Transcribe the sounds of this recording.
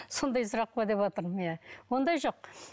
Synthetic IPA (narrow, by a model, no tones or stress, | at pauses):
so̞nd̪ɑjs̬əɾɑq̚bɑd̪e̞pɑt̪əɾmjæwo̞nd̪ɑjʒo̞q̚